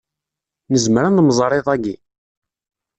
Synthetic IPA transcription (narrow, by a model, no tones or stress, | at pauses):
nəzmɾanðmzˤɾˤeðˤæɡi